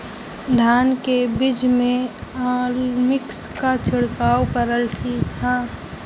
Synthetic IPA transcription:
d̪ʱaːnkebɪd͡ʒmẽaːlmɪkskat͡ʃʰʊɽkaːwpəɾəlt̪ʰihãː

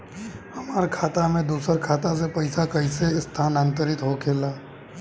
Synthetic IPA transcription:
hɐmaːɾkʰaːt̪amẽd̪uːsəɾkʰaːt̪as̬epɐɪsakəɪseɪst̪ʰaːnaːnt̪əɾɪt̪ɦokʰeːlaː

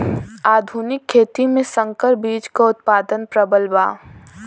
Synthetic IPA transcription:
aːd̪ʱuːnɪkʰːeːt̪imẽsə̃ŋkəɾbiːd͡ʒkaʊt̪̚paːd̪ənpɾəbəlbaː

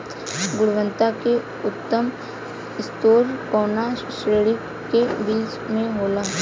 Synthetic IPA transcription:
ɡʊɽʋə̃nt̪ake | ʊt̪ːəm | ɪst̪oːɾkɔːna | ʃɾeːɽi | kebiːt͡ʃ | mẽɦoːlaː

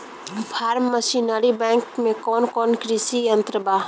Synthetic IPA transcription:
pʰaːɾmːəsinəɾibɛ̃ːŋkmẽkɔːnkɔːnkɾisijənt̪ɾəbaː

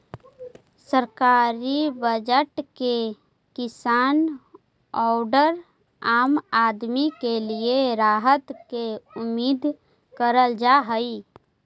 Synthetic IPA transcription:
səɾkaːɾibəd͡ʒəʈke | kɪsaːn | ɔːɖəɾ | aːmaːd̪mikelieɾaːɦət̪keʊmiːd̪ʱ | kəɾəld͡ʒaɦəi

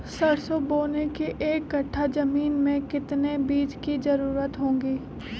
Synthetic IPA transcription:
sɐɽsoboːnekeʔeːkːɐʈʰːad͡ʒəmiːnmẽkɪt̪nebiːd͡ʒkizəɾuːɾət̪ɦõːŋɡiː

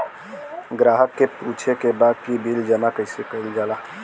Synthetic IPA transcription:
ɡɾaːɦəkːepuːt͡ʃʰekebaːd̪̚kibʱild͡ʒəmakəɪsekəild͡ʒaːlaː

